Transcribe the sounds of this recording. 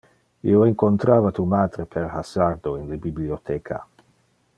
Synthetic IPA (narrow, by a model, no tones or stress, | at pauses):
ḭoeŋkont̪ɾaːvat̪umaːd̪ɾepʰeɾhasard̪oinlebibliot̪ʰekʰa̰